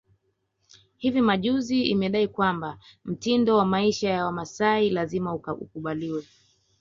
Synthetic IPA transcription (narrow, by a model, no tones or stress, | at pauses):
hivimaʄuziimɛɗaikwambam̩tindɔwamaiʃajawamasailazimaṵkuɓaliwɛ